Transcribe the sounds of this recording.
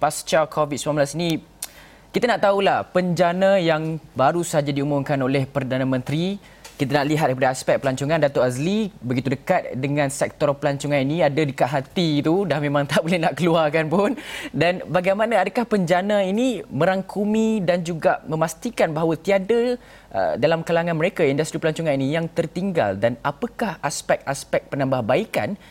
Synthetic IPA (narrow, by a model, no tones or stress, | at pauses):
past͡ʃakʰovit̪̚smamblasini | kit̪anaʔt̪aulahpəɲd͡ʒanajaŋbaɾusəɦad͡ʒadiumumkanolɛhpərdanãmə̃nt̪ɾi | kit̪anaʔliɦat̪̚daɾipadaaspɛk̚pəlaɲt͡ʃuŋãndat̪oʔazlibəɡit̪udəkat̪̚dəŋãnsɛk̚t̪ɔrpəlaɲt͡ʃuŋãniniadadəkaʔ̪ɦat̪it̪udahmẽmãŋt̪abolɛhnaʔkəluarkanpʊndanbaɡajmanaadəkahpəɲd͡ʒanainimə̃ɾaŋkumĩdand͡ʒuɡaʔmə̃mast̪ikanbaɦawət̪iada | ʔə̰dalamkalaŋãnməɾekaindust̪ɾipəlaɲt͡ʃuŋaninijaŋt̪ərt̪iŋɡa̰ldanapəkahaspɛk̚aspɛk̚pənãmbahbaika̰n